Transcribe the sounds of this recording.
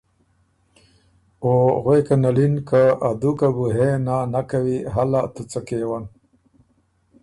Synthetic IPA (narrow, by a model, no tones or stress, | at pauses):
oɣwekanalinkaad̪ukabuɦenanakawiɦalat̪ut͡sakewan